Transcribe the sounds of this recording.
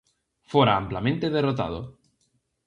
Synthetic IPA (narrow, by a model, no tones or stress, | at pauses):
foɾaamplamẽnt̪eðerot̪a̰ð̞o̰